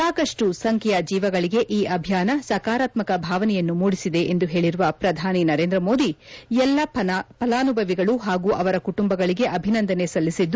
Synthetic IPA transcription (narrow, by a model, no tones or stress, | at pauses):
saːkɐʂʈusɐŋkʰɛjɐd͡ʒiːʋɐɡɐɭiɡe̞ʔiːʔɐbʱjaːnɐsɐkaːɾaːt̪mɐkɐbʱaːʋɐnɛjɐnːumuːɽisid̪e̞ʔend̪uɦe̞ːɭiɾuʋɐpɾɐd̪ʱaːninɐɾe̞ːnd̪ɾɐmo̞ːd̪iɛlːɐpɐlaːnubʱɐʋiɡɐɭuɦaːɡuːʔɐʋɐɾɐkuʈumbɐɡɐɭiɡe̞ʔɐbʱinɐnd̪ɐnesɐlːisid̪ːu